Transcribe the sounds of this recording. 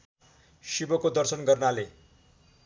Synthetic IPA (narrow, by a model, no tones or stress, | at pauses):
ʃibʌkod̪ʌɾsʌnɡʌrnale